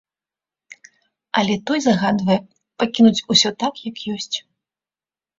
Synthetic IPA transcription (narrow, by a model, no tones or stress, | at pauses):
ɐlʲɛt̪ɔjzaɣad̪vɐjɛ | pakʲinut͡sʲusʲɔt̪akjakjɔsʲt͡sʲ